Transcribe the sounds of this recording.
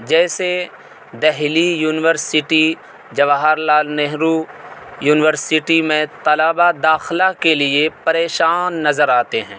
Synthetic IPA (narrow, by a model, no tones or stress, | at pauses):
d͡ʒɛːse | d̪ɛɦlijuːnɪʋəɾsɪʈi | d͡ʒɐʋaɦaɾlaːlneɦɾujuːnɪʋəɾsɪʈimẽt̪ɐlaːbad̪aːxlakeliepɐɾeːʃaːnːɐzəɾaːt̪eɦɛ̰̃ː